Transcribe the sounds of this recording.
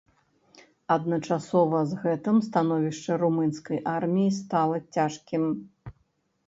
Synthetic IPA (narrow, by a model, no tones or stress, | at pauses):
ɐd̪̚nɐt͡ʂasɔvɐzɣɛt̪ɨmst̪anɔvʲiʂt͡ʂɐɾumɨnskɐjʔarmʲijist̪alˠɐt͡sʲaʂkʲim